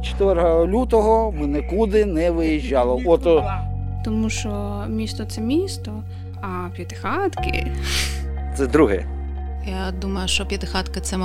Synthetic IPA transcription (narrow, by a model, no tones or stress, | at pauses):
t͡ʃɔ̥t̪ʋɛɾɦɐlʲut̪ɔɦɔmɛnɛkud̪ɪnɛʋɪjiʒʲːɑlˠɔɔt̪t̪ɔmuʃt͡ʃɔ | mʲist̪ɔt̪sɛmʲist̪ɔ | ɐ | pʲjɐt̪ɪ̥xɑt̪kɪ̰ | t̪sɛd̪ɾuɦɛ̰ | jad̪umɐjʊʃt͡ʃɔpʲjɐt̪ɪxɑt̪kɐt̪sɛm